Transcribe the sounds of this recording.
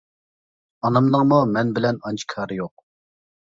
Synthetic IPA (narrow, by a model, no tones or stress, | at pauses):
ɑnɑmnəŋmumɛnbɪlɛnɑnt͡ʃʰi̥kʰɑːɾɨjoq̚